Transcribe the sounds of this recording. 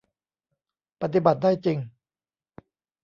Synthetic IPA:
pa˧t̪̬i˨˩ba˨˩t̪̚daː˥˩jt͡ɕi˧ŋ

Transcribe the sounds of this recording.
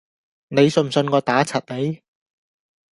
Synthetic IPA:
ne˨˧jsn̩m̩˨˩sɵ˧nkɔː˧t̪aː˨˥t͡sʰɐ˨t̚le˨˥j

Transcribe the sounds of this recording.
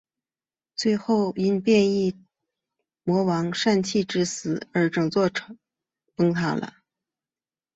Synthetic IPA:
t͡swe˥˧ɪxo˥˩ʊi˥npjɛ˥˧ni˥˩ | mwɔ˧˥wɑ˧˥ŋʂa˥˧nt͡ɕʰi˥˩ʈ͡ʂɻ̩˥sɹ̩˨˩˦ə˞˧˥ʈ͡ʂɤ˨˩ŋt͡swɔ˥˩ʈ͡ʂʰ | pɤ˥ŋt̪ʰa̰˥˩lə̰˧

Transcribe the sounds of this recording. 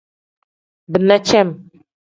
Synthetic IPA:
bə˨na˦t͡ʃɛ˦m˨

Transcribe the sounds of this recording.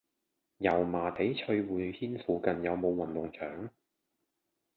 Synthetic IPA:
jɐ˨˩wmaː˨˩t̪e˨˥jt͡ʃʰɵ˧ɥwuː˨˧jhiː˥nfuː˨˧kɐ˨njɐ˨˧wmo˨˧wːɐ˨˩nt̪ʊ˨ŋt͡ʃʰœː˨˥ŋ

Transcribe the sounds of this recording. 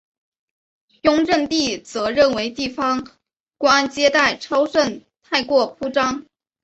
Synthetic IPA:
jʊ˥ŋɻə˥˧nt̪i˥˩t͡sɤ˧˥ɻə˥˩nwe˧˥ɪt̪i˥˩fɑ˥ŋ | kwɔ˥a˥˧nt͡ɕjɛ˥t̪a˥˩ɪʈ͡ʂʰɑ˥ʊʂə˥˧nt̪ʰa˥˧ɪkwɔ˥˩pʰu˥ʈ͡ʂɑ˥ŋ

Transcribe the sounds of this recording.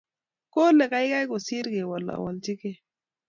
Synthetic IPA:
ko˦le˨ka˦jka˦jko˨si˦ɾɡe˨wa˨lːa̰˨a̰˨wa˨lt͡ʃi˦ke˦˨

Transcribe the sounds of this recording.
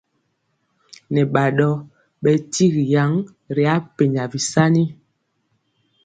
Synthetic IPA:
nɛ˨ɓa˨ɗɔ˦ | ɓɛ˨ti˦ɣi˨ja˨˦ŋ | ɾi˨a˨˦pe˨ɲa˨vi˨sa˦ni˦

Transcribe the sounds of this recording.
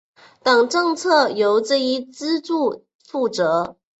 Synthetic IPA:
t̪ɑ˨˩ŋʈ͡ʂɤ˥˧ŋt͡sʰɤ˥˩jo˧˥ʊʈ͡ʂɤ˥˧i˥t͡sɹ̩˥ʈ͡ʂu˥˩ | fu˥˩ʈ͡ʂɤ˧˥

